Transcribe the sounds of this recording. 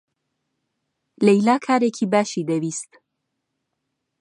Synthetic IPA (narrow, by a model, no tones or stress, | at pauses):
lejlaːkʰaːɾeːcʰiːbaːʃiːd̪ɐwiːst̪